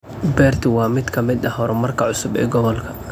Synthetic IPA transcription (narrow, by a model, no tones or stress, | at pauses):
bɛːrt̪ʰwɑːmɪd̪kʰɐmɪd̪ɐɦɔɾɛmɐrkʰɐʕʊsʊbɛ̰ːɡɔβɔlkʰɐ